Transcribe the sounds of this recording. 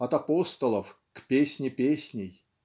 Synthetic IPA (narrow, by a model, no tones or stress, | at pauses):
ɐt̪ɐpost̪əlˠəf | kpʲesʲnʲɪpʲesʲnʲɪj